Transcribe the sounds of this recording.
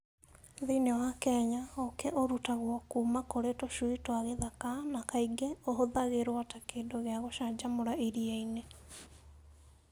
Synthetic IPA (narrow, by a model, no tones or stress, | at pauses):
ðiinewakɛɲaokɛʔoɾutaɣwɔkuːmakoɾetoʃuitwaɣeðakanakaiɡeoɦoðaɣeɾwatakeːndoɣeaɣoʃad͡ʒamoɾaʔeɾieine